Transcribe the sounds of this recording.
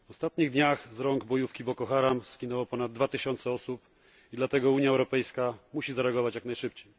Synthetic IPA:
vɔst̪at̪ɲiɣd̪ɲaxzɾɔŋɡbɔjufkʲibɔkɔxaɾamskʲinɛwɔpɔnad̪ːvat̪ɘɕɔnt̪sɛɔsup | id̪lat̪ɛɡɔuɲjaɛwɾɔpɛjskamuɕizaɾɛaɡɔvat͡ɕjaknajʂɘp̚t͡ɕej

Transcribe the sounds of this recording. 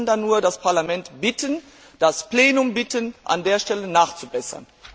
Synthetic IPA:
ndanːuːɐdaspʰaɐlamɛntb̥ɪtən | d̥aspleːnʊmbɪtənʔa̰ndeːɐʃtɛlənaːχt͡subɛsɐ̰n

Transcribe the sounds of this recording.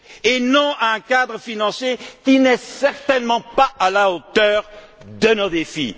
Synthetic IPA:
enɔ̃aɛ̃kad̪ʁəfinɑ̃sjekinɛsɛʁt̪ɛnmɑ̃paːlaot̪œːʁ | d̪ənod̪efḭ

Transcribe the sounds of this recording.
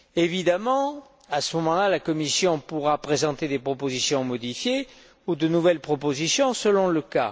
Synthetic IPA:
evid̪amɑ̃ | asəmɔmɑ̃lalakɔmisjɔ̃puʁapχezɑ̃t̪ed̪epχɔpozisjɔ̃mɔd̪ifje | ud̪ənuvɛlpχɔpozisjɔ̃səlɔ̃ləka̰

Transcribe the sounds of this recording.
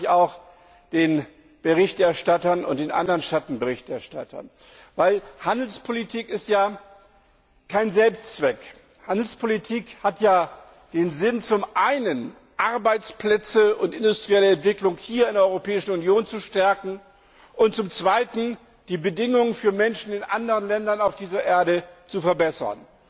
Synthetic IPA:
çaʊx | d̥eːn | b̥əʁɪçtɛɐʃtatɐnʊ̰nt̚d̥eːnʔa̰ndɐʁənʃatn̩bəʁɪçtɛɐʃtatʰɐ̰n | vaɪlhandl̩spʰolitʰiːkɪstjaː | kʰaɪnzɛlpst͡sv̥ɛk | handl̩spʰolitʰiːkhatjaː | d̥eːnzɪnt͡sʊmʔaɪnən | ʔaɐbaɪt͡splɛt͡səʊntɪndʊstʁ̥iɛləɛntv̥ɪklʊŋhiːɐɪndɛɐʔɔʏʁopɛːɪʃn̩unjoːnt͡suʃtɛɐkŋ̩ | ʔʊntt͡sʊmt͡sv̥aɪtn̩ | d̥iːbədɪŋʊŋənfyːɐmɛnʃn̩ɪnʔa̰ndəʁ̞ənlɛndɐnaʊfd̥iːzɐʔeːɐɾət͡sufɛɐbɛsɐ̰n

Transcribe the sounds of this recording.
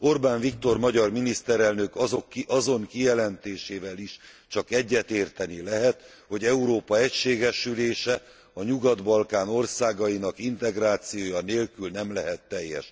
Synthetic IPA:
o̞rbaːnvikt̪o̞rmɒɟɒrminist̪ɛɾɛlnø̞koɒzo̞ŋkijɛlɛnt̪eːʃeːvɛliʃ | t͡ʃɒkɛɟːɛt̪eːrt̪ɛnilɛɦɛt̪ | ho̞ɟɛuɾoːpɒɛcʃeːɡɛʃyleːʃɛ | ɒɲuɡɒd̪bɒlkaːno̞rsaːɡɒjinɒkint̪ɛɡraːt̪sijoːjɒneːlkylnɛmlɛɦɛt̪ːɛjːɛ̰ʃ

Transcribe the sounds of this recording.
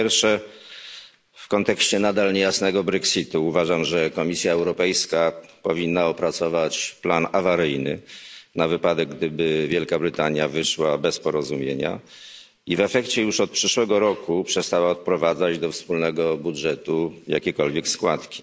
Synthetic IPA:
ɛɾfʂɛ | fkɔnt̪ɛkɕt͡ɕɛnad̪alɲejasnɛɡɔbɾɛksit̪uːvaʐamʐɛkɔmʲisʲjaɛwɾɔpɛjskapɔvʲinːaɔpɾat̪sɔvat͡ɕplanavaɾɘjnɘnavɘpad̪ɛɡ̚ɡd̪ɘbɘvʲjɛlkabɾɘt̪aɲjavɘʂwabɛspɔɾɔzumʲjḛɲa̰ | ivɛfɛkt͡ɕɛjuʂɔt̪̚pʂɘʂwɛɡɔɾɔkupʂɛst̪awaɔt̪̚pɾɔvad̪zad͡ʑd̪ɔfspulnɛɡɔbudʐɛt̪uja̰kʲɛkɔlvʲjɛkskwat̪kʲi̥

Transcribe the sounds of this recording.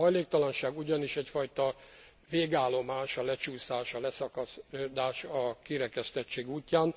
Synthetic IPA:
ɒjleːk̚t̪ɒlɒnʃaːɡuɟɒniʃɛcfɒjt̪ɒ | veːɡaːlo̞maːʃɒlɛt͡ʃuːsaːʃɒlɛsɒkɒd̪aːʃɒkiɾɛkɛst̪ɛt͡ʃːeːɡuːcːaːn

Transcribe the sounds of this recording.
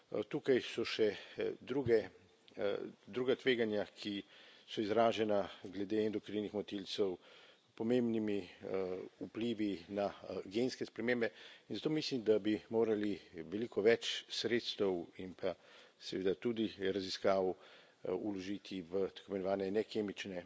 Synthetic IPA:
t̪ukajsɔʃɛd̪ɾuɡɛ | d̪ɾuːɡat̪ʋeːɡanjakʰisɔizɾaːʒɛnaɡlɛd̪eɛnd̪ɔkɾinixmɔt̪ilt̪sɛw | pɔmembnimi | upliːʋinaɡenskɛspɾɛmembɛinzat̪oːmislimd̪abimoːɾaliʋɛlikʰɔʋɛt͡ʃsɾet̪st̪ɛwimpʰasɛʋeːd̪at̪ud̪iɾaziskaːw | ulɔʒit̪ʰiʋət̪akomɛnɔʋaːnɛnɛkʰeːmit͡ʃnɛ

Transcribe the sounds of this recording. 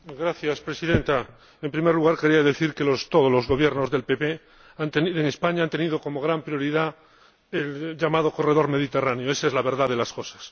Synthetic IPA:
ɡɾaθjaspɾesiðe̞nt̪a | e̞mpɾimeɾluɣaɾkeɾiaðe̞θiɾke̞lost̪oðozlo̞zɣo̞β̞je̞ɾnozðe̞lpepe | ant̪enieŋespaɲaant̪enið̞oko̞mo̞ɣɾampɾjo̞ɾiða | elʎamað̞o̞ko̞re̞ðo̞ɾme̞ð̞it̪e̞ranjoe̞saezlaβe̞ɾðaðelasko̞sḁs

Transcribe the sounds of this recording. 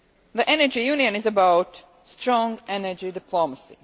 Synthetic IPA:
ðiʔɛnə˞d͡ʒijʉ̃niɨ̃nɨzəbaʊt | stɹ̥ɔ̃ŋɡʔɛnə˞d͡ʒidɨpʰlɔməsḭ

